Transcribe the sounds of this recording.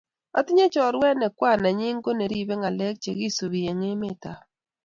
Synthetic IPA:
a˦tɪ˦ɲe˦t͡ʃɔ˨ɾwɛ˦nɛ˨kwa˦˨na˨ɲɪ˦ŋɡo˦ne˨ɾi˦be˦ŋa˨lɛ˦k̚t͡ʃe˨ɡi˦so˨βi˨e˨ŋe˦mɪ˦ta˨

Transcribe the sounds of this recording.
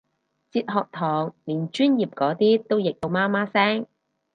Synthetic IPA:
t͡siː˧t̚ɦɔː˨k̚t̪ʰɔː˨˩ŋliː˨˩nt͡ʃyː˥njiː˨p̚kɔː˨˥t̪iː˥t̪o˥wjɪ˨k̚t̪o˨˧wmaː˥maː˥sɛː˥ŋ

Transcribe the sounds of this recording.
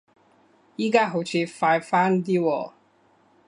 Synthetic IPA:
iː˥kaː˥ɦo˨˥wt͡ɕʰiː˨˧faː˧jfaː˥nt̪̬iː˥wɔː˨

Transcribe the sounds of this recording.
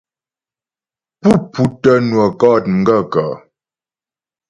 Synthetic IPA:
pu˦˨pu˨˦tə˦nwə˨kɔː˦˨t̚ŋ̩˨ɡə˦˨kə˨

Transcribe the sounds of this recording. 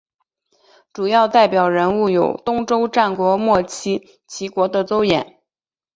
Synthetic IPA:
ʈ͡ʂu˨˩jɑ˥˧ʊt̪a˥˩ɪpjɑ˨˩ʊɻə˧˥nu˥˩jo˨˩ʊt̪ʊ˥ŋʈ͡ʂo˥ʊʈ͡ʂa˥˩nkwɔ˧˥mwɔ˥˩t͡ɕʰi˥ | t͡ɕʰi˧˥kwɔ˧˥d̪ə˧t͡so˥ʊjɛ˨˩˦n

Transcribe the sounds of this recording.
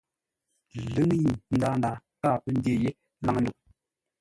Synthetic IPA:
lɨ˦ŋ˦ji˨n̩˦daː˦n˦da˨ | ka˦˨pə˦n˦de˦je˦ | la˨ŋ˨˦nu˨k̚

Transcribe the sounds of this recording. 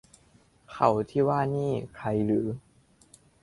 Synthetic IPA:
kʰa˨˩˦wt̪ʰiː˥˩waː˥˩niː˥˩kʰɾa˧jlɯː˩˦

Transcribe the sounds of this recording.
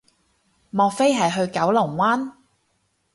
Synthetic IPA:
mɔː˨˧kfe˥jɦɐ˨jɦɵ˧ɥkɐ˨˥wlʊ˨˩ŋwaː˥n

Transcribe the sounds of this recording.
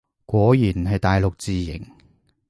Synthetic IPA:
kʷɔː˨˥jiː˨˩nɦɐ˨jt̪aː˨jlʊ˨k̚t͡siː˨jɪ̰˨˩ŋ

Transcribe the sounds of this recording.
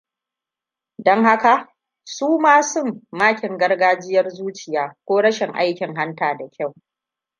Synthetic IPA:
dɔ˦ŋha˦ka˨ʔ | suː˦maː˦sʊ˦˨mːaː˦kʲɪ˨ŋɡɐ˦rɡaː˦d͡ʒɪ˦jɐ˦rzuː˦t͡ʃɪ˨jaː˨˦kʷoː˦ɽɐ˦ʃɪ˨ŋʔa̰˦jkʲɪ˨ŋɦa˦ntaː˨da˨kʲʰa˦˨w

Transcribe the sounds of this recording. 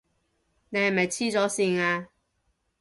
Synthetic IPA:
ne˨˧jhɐ˨˩mɐ˨˩jt͡sʰiː˥t͡sɔː˨˥siː˧ŋaː˧

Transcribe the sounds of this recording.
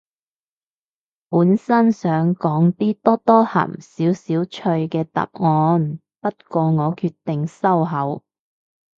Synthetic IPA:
puː˨˥nsɐ˥nsœː˨˥ŋkɔː˨˥ŋt̪iː˥t̪ɔː˥t̪ɔː˥hɐ̰˨˩msiː˨˥wsiː˨˥wt͡ʃʰɵ˧ɥkɛː˧t̪ɐ̰˨p̚ŋɔː˨˧n | pɐ˥t̚kɔː˧ŋɔː˨˧kʰyː˧t̚t̪ɪ˨ŋsɐ˥wɦɐ˨˥w

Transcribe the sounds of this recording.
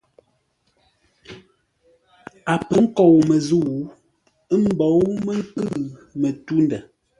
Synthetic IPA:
a˨pə˦ŋ̩˦kɔ˨wmə˨zu˦˨w | ə˦m̩˦bɔ˨˦wmə˦ŋ˦kɨ˦˨mə˨tu˦ndə˨

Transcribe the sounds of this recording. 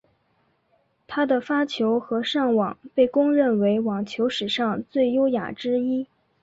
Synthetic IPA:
t̪ʰa˥d̪ə˨fa˥t͡ɕʰjo˧˥ʊxɤ˧˥ʂɑ˥˩ŋwɑ˨˩ŋpe˥˩ɪkʊ˥ŋɻə˥˩nwe˧˥ɪwɑ˨˩ŋt͡ɕʰjo˧˥ʊʂɻ̩˨˩ʂɑ˥˧ŋt͡swe˥˩ɪjo˥ʊja̰˨˩ʈ͡ʂɻ̩˥i˥

